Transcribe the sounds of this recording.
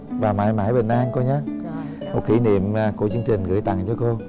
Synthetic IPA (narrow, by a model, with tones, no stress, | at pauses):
vaː˨˩maː˧˩jmaː˧˩jɓḛ˨˩nʔaː˧nko˧ɲaː˨˦˥ | mo˨˩ki˧˩˦nḭ˧˨əmː˨˩ku˧˩ət͡ɕɨ˧əŋt͡ɕï˨˩ŋ̟ɣɨ̰˧˩˦jt̪a̰˧˨ŋt͡ɕɔ˧ko˧